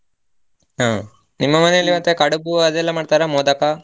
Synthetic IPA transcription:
ɦaː | nimːɐmɐnejɐlːiʋɐnt̪ekɐɽɐbuɐd̪ɛlːɐmaːɖt̪aːɾamɔːd̪ɐka

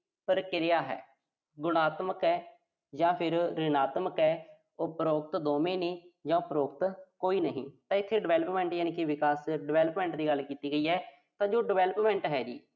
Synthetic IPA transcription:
pəɾkɪɾɪjaːɦɛ̰ː | ɡʊɽaːt̪məkɛː | d͡ʒãːpʰɪɾɾɪnaːt̪məkɦɛː | oːpəɾoːkt̪d̪oːmeːneːd͡ʒãːpəɾoːk̚t̪koːiːnəɦḭ̃ːt̪ãːɪt̪ʰːeːɖɪʋɛːləpmɛ̃ːɳʈjaːniːkɪʋɪkaːsɖɪʋɛːləpmɛ̃ːɳʈd̪iːɡəlkiːt̪iːɡəiːɦɛː | t̪ãːd͡ʒoːɖɪʋɛːləpmɛ̃ːɳʈɦɛːd͡ʒḭː

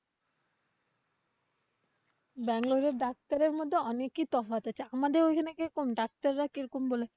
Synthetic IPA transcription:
bɛŋloɖeɾɖak̚t̪aɾeɾmod̪ʱːeɔnekːit̪ɔfat̪at͡ɕʰaamad̪eɾojkʰanekeɾokomɖak̚t̪aɾːakiɾokombole

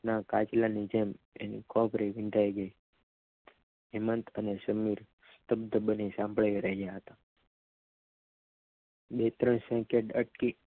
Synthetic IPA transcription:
nakat͡ʃlanid͡ʒem | ḛnḭkʰɔbɾiʋiɳʈajɡəi | ɦimənt̪ʰənesəmiɾ | st̪əbd̪ʱəbənisãmbɭaiɾeɡjaɦət̪a | bet̪ɾəɳsɛ̃keʈəʈki

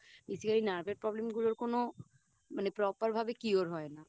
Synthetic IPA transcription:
bisikaɾinaɾbʱeɾ̚pɾɔblemɡuloɾkono | manepɾɔpaɾbʱabekioɾɦɔena

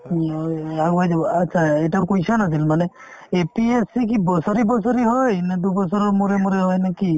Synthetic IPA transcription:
aajdatːsʰaɛjtakojsɔnas̬ilmanɛ | epiesik̬ibɔsɔɾibɔsɔɾiɦɔjnɛd̪ubɔs̬ɔɹɔɹmuɾɛmuɾɛɦɔjnaki

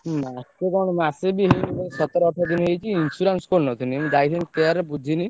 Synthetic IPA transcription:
maskekɔɽ̃masebiɦejibɔɾesɔt̪ɔɾɔɔʈʰɔd̪inɔɦejt͡ʃʰiːnsuɾanskoɾnɔt̪ʰiniemĩd͡ʒajt̪ʰinik̪eaɾbud͡ʒ̪ʱini

